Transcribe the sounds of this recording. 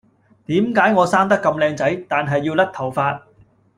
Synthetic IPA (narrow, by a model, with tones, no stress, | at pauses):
t̪iː˨˥mkaː˨˥jŋɔː˨˧saː˥nt̪ɐ˥kːɐ˧mlɛː˧ŋt͡sɐ˨˥jt̪aː˨nɦɐ˨jːiː˧wlɐ˥k̚t̪ʰɐ˨˩wfaː˧t̚